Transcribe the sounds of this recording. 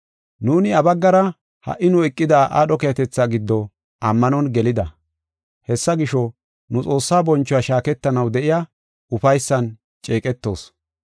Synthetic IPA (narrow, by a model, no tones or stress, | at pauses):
nuːnɪɐbɐɡːɐɾɐ | hɐ̰ʔːɪnʊɛkʼːɪd̪aːʔa̰ːɗɔkeɐt̪ɛt͡sːaɡɪd̪ːɔ | ʔɐmːɐnɔnɡɛlɪd̪ɐ | hɛsːɐɡɪʃɔ | nʊt͡sʼo̞ːsːaːbɔnt͡ʃːʊjaʃaːkɛt̪ːɐnɐwd̪ɛʔɪja | ʊfɐjsːɐn | t͡ʃʼeːkʼɛt̪ːo̞̰ːs